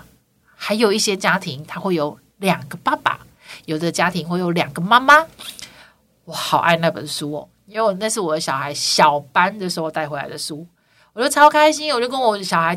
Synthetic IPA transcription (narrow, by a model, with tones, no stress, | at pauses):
xa˧˥ɪjo˨˩ʊi˥˩ɕjɛ˥t͡ɕja˥t̪ʰi˧˦ŋt̪ʰa˥xwe˥˩ɪjo˨˧˦ʊ | ljɑ˨˩ŋɡə˦pa˥˩pa̰˨˩ | jo˨˩ʊd̪ə˦t͡ɕja˥t̪ʰi˧˥ŋxwe˥˩ɪjo˨˧˥ʊljɑ˨˩ŋɡə˩ma˦˥ma˦ | wɔ˨˦xɑ˨˩ʊʔa̰˥˧ɪna˥˩bə̰˨˩nʂu˦˥ɔ̰˨˦i˥ŋwe˥˩ɪwɔ˨˩na˥˧ʂ̬ɻ̩˥˩wɔ˨˩d̪ə˦ɕjɑ˨˩ʊxa˧˦ɪɕjɑ˨˩ʊpa˦nd̪ə˨ʂɻ̩˧˥o˥˧o˨˩t̪a˥˩ɪxwe˧˥la̰˧˥ɪd̪ə˨su˥ | wɔ˨˩t͡ɕo˥˩ʊt͡sʰɑ˥ʊkʰa˥ɪɕi˥˦nwɔ˨˩t͡ɕo˥˩kə˦˥nwɔ˨˩ə˦ɕjɑ˨˩ʊa˧˦ɪ